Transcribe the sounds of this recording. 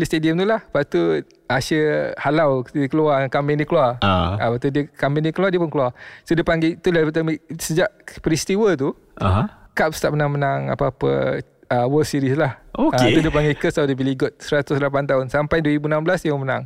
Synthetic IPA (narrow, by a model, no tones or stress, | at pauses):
list̪ediəmt̪ulahpat̪u | asəhalawdəkəluwakambɛŋdiəkəlua̰apat̪udiəkambɛŋdiəkəluadiəpʊnkəluasodiəpaŋɡet̪ulapt̪̬amiʔsəd͡ʒaʔpɾist̪iwət̪̬u | aɦakap̚st̪aʔpmənaŋmənaŋa̰papə̰ | əwəlsiɾislahoat̪udiəpaŋɡekəsawdəbiliɡʊt̪̚səɾat̪ʊslap̬ant̪aɦʊnsampajdwəɾibunamblasdiamənãŋ